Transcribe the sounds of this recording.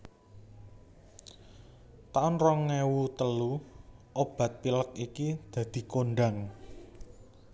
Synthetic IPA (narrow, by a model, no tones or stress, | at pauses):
t̪aʊnrɔŋːewut̪əluʔob̥ä̤t̪̚pilək̚ikid̪̥ä̤d̪̥i̤konɖaŋ